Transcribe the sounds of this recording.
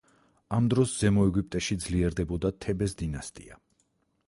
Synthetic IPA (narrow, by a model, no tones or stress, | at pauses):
amd̪ɾɔsz̥ɛmɔɛɡup̚ʼt̪ʼɛʃid̪zliɛɾd̪ɛbɔd̪at̪ʰɛbɛsd̪inast̪ʼia